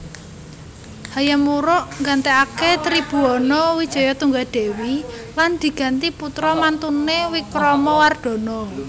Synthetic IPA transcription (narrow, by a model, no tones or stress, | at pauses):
hajamuɾʊʔŋɡant̪eaket̪ɾib̥ṳɔnɔwid̥ʒ̥ɔ̤jɔt̪uŋɡaɖ̪̥e̤wiland̪̥i̤ɡ̥a̤nt̪iput̪ɾɔmant̪unewikɾɔmɔward̪̥ɔ̤nɔ